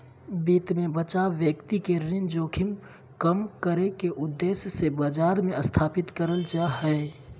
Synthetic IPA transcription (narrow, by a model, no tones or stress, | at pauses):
biːt̪mẽbət͡ʃaʋjəkt̪ikeɾɪnd͡ʒoːkʰɪm | kəmkəɾekeʔʊd̪ːeːsjəsebəd͡ʒaːɾmẽəst̪ʰaːpɪt̪kəɾəlt͡ʃaɦɛe